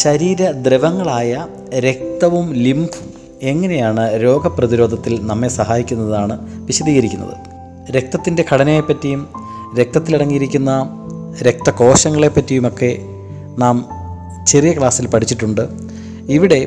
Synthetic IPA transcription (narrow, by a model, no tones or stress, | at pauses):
ɕɐɾiːɾɐd̪reʋɐŋːɐɭaːjɐ | ɾe̞k̚t̪ɐʋumlimbʱum | e̞ŋːɐne̞jaːɳɨɾo̞ːɡɐprɐðiɾo̞ːd̪ʱɐt̪ːilnɐmːesɐɦaːjikʲːunːɐðaːɳɨʋiɕɐd̪iːɣɐɾikʲːunːɐ̰ðɨ̰ | ɾe̞k̚t̪ɐt̪ːinde̞kʰɐɽɐnɐmejpːɐtːijum | ɾe̞k̚t̪ɐt̪ːiliɽɐŋːijiɾikʲːunːɐ | ɾe̞k̚t̪ɐko̞ːɕɐŋːɐɭe̞pːɐtːijumo̞kːe̞ | naːm | t͡ɕerijɐkɭaːsːilpɐʈʰit͡ɕːiʈːuɳɖɨ | iʋiɽe̞